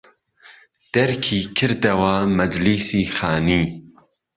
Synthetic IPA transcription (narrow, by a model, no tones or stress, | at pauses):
d̪̥ɛɾkʰiːkʰɨɾd̪ɐwamɐd͡ʒlisiːxaːniː